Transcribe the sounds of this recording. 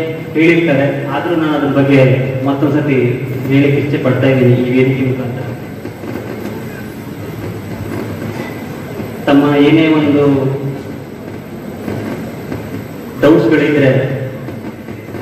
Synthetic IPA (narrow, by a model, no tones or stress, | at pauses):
he̞ːɭiɾt̪aːɾeaːd̪ɐɾuːnaːnɐd̪ɐɾɐbɐɡːe̞mɐt̪ːɐnsɐt̪ieːneːkiɾt͡ʃːepɐɽt̪aːjd̪iːniniːʋeːnik̪imukɐnt̪ɐ | t̪ɐmːɐeːne̞ːʋond̪u | ɖɐwsɡɐɭid̪ɾe̞